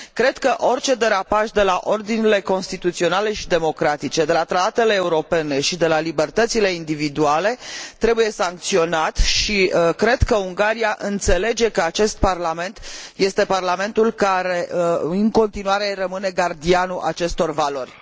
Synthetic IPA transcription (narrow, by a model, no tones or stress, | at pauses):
kɾe̞d̪kəʔo̞rt͡ʃe̞d̪e̞ɾapaʃd̪e̞laʔo̞rd̪inile̞ko̞nst̪it̪ut̪sio̞nale̞ʃid̪e̞mo̞kɾat̪it͡ʃe̞d̪e̞lat̪ɾat̪at̪e̞le̞ːuɾo̞pe̞ne̞ʃid̪e̞lalibe̞rt̪ət̪sile̞ind̪ivid̪uale̞t̪ɾe̞buje̞saŋk̚t̪sio̞nat̪ʃiəkɾe̞d̪kəuŋɡaɾiaʔɨnt̪se̞le̞d͡ʒe̞kəat͡ʃe̞st̪̚parlame̞nt̪je̞st̪e̞parlame̞nt̪ulkaɾe̞ɨŋko̞nt̪inuaɾe̞rəmɨne̞ɡard̪ianuʔa̰t͡ʃe̞st̪o̞rvalo̞rʲ